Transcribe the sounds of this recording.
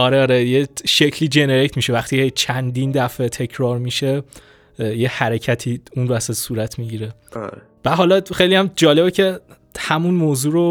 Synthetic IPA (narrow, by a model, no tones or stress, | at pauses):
ɒːɾeɒːɾejeʃecʰliːd͡ʒe̞neɾect̪miʃevæxt̪ʰiːejt͡ʃʰænd̪iːnd̪æfet̪ʰe̞cʰɾɒːɾmiːʃe̞ | jehæɾecʰæt̪ʰiːunɾoæsæsuːɾæt̪ʰmiɟiːɾḛ | væɦɒːlɒxejlijæmd͡ʒɒːle̞becʰe̞ | hæmunmoːzuːɾo